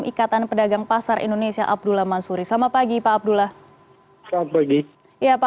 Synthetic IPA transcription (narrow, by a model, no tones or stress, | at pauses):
mʔikat̪anpədaɡaŋpasarḭndonesia̰ʔab̚dulamansuɾisamapaɡipaːb̚dulah | saat̪̚paɡi | japa